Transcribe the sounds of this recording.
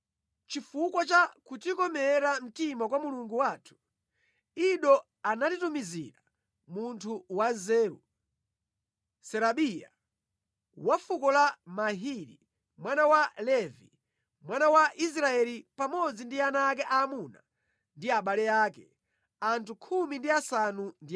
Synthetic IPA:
t͡ʃifukwat͡ʃakutikɔmɛɾam̩timakwamuluŋɡuwatʰu̥ | iɗɔ | anatitumizḭɾa | muntʰuwazɛːɾṵ | sɛɾaɓija̰ | wafukɔlamaɦiɾḭ | mwanawalɛvi | mwanawaʔis̬ɾaɛlipamɔd͡zindianaːk̬ɛʔamuna | ndiaɓalɛaːkɛ | antʰukʰumindiasanundi

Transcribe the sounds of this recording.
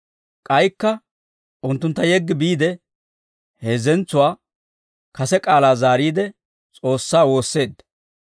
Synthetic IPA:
kʼɐjkːɐ | ʊnt̪ːʊnt̪ːɐjɛɡːɪbiːd̪ɛ | heːzɛnt͡sːʊwaː | kɐsɛkʼaːlaːzaːɾiːd̪ɛ | t͡sʼo̞ːsːaːwo̞ːsːe̞ːd̪ːɐ̥

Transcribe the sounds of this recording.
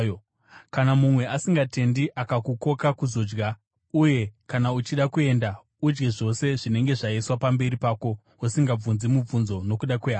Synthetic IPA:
kanamumwe̞ʔasiŋɡate̞ndiʔakakuko̞kakuzo̞d͡ʒɡa | uje̞kanaut͡ʃiɗakue̞ːnda | ud͡ʒɡe̞ʐo̞se̞ʐine̞ŋɡe̞ʐaiswapambe̞ɾipaːko̞ | osiŋɡab͡vunzimub͡vunzo̞no̞kuɗakweɦaː

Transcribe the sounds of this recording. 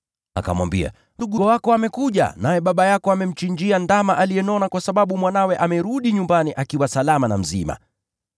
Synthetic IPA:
a̰ka̰mwa̰mbḭa̰ | nduɠuwakɔamɛkuʄa̰najɛɓaɓajakɔamɛm̩t͡ʃiɲd͡ʒiandamaʔalijɛnɔnakwasaɓaɓumwanawɛʔamɛɾuɗiɲumbaniʔakiwasalamanam̩zima̰

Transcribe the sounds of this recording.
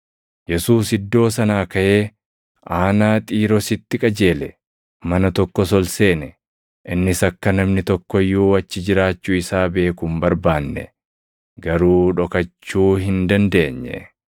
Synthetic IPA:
jɛsuːsɪd̪ːo̞ːs̬ɐnaːkɐʔe̞ː | ʔaːnaːt̪ʼiːɾɔsɪt̪ːɪkʼɐd͡ʒe̞ːlɛ | mɐnɐt̪ɔkːɔsɔlse̞ːnɛ | ʔɪnːɪsɐkːɐnɐmnɪt̪ɔkːɔjːuːɐt͡ʃːɪd͡ʒɪɾaːt͡ʃːuːɪsaːbe̞ːkumbɐɾbaːnːɛ̰ | ɡɐɾuːᶑɔkɐt͡ʃːuːɦɪnd̪ɐnd̪e̞ːɲːɛ̰

